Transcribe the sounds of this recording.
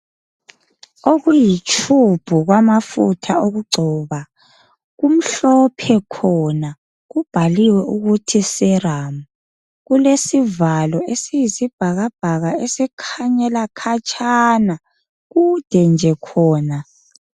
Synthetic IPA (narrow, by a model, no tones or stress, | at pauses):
oɣujit͡ʃʰʼub̥ʱuɣwamafṵtʰaoɣuɡ͡ǀʱɔːβa | ɣum̩ɬɔpʰɛkʰɔna | ɣub̥ʱaliwɛʔuɣutʰisɛramu | ɣulesivalɔesijisib̥ʱaɣab̥ʱaɣaesɛkʰaɲɛlakʰat͡ʃʰʼana | ɣud̥ʱɛnd͡ʒʱɛkʰɔːna